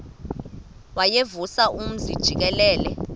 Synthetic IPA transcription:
wajevusaʔum̩zid̥ʒ̥ʱik̬ɛlɛːlɛ

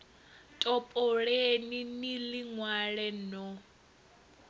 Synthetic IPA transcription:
tʼɔpʼɔɺeniniliŋwaɺɛnɔ

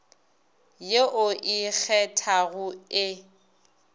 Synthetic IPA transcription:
jeʔʊʔik͡xʰɛtʰaɣʊɪ

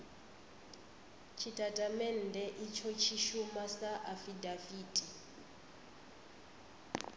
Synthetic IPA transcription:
t͡ʃʰitʼatʼamɛn̩dʱɛʔit͡ʃʰɔt͡ʃʰiʃumasaʔafidafiːtʼi

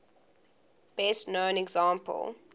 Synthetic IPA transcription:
b̥ɛstnõʊ̃nɛɡzɑ̃ːmpə̰lˠ

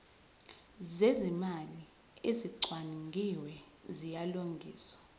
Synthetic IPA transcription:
zezimali | eziǀwanŋɡʱiwɛ | zijaloŋɡʱiːswḁ

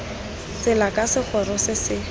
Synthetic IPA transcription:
t͡sɪlakʼasɪk͡xʰɔɾɔsɪsɪ

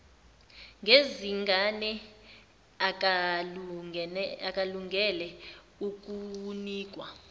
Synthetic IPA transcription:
ŋɡeziŋɡʱanɛ | ak̬ʼaluŋʱɛlɛ | uk̬ʼuniːk̬ʼwa

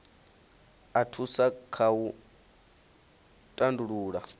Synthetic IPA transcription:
atʰusakʰau | tʼanduɺuːɺa

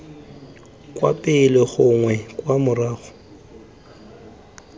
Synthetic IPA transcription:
kʼwa̰pʼɪlɪɣʊŋwɛkʼwamʊraːɣʊ̥

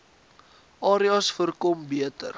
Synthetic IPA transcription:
ʔɑːɾiɐsfərkɔmbiətə̰r

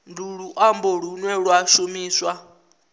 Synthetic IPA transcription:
nduɺuʔamboɺ̤unwɛɺwaʃumiːswa

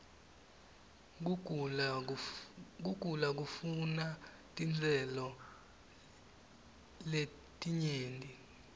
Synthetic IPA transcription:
k̬uɡ̥ʱulak̬ufuna | tʼind͡zʱɛlɔ | le | tʼiɲeːndʱʼi

